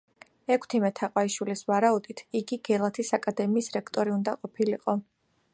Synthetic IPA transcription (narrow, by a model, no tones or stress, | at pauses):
ɛkʰt̪ʰimɛt̪ʰaqʼwaiʃwilisvaɾaud̪it̪ʰiɡiɡɛlˠat̪ʰisakʼad̪ɛmiːsɾɛkʰt̪ʼɔɾiund̪aqʼɔpʰiliqʼɔ